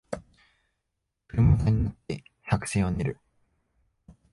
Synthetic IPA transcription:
kɯɾɯmokaɲ̟inat̪ːe̞çakɯ̟̥seːoɲeɾɯ̟

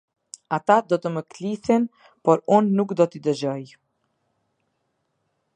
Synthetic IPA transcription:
at̪ad̪ɔt̪əməkliθɛn | pɔɾunːukd̪ɔt̪id̪əd͡ʑɔj

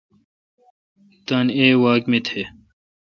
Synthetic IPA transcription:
t̪ɐneːwaːkmit̪ʰe

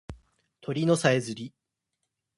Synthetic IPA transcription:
t̪ʰo̞ɾʲino̞saezɨɾʲi

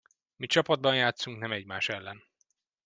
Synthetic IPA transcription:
mit͡ʃɒpɒd̪̚bɒnjaːt̪suŋknɛmɛɟmaːʃɛlːɛn

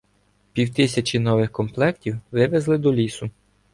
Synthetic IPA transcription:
pʲiwt̪ɪsʲɐt͡ʃinɔʋɪxkɔmplˠɛktʲiwʋɪʋezlˠɪd̪ɔlʲisʊ

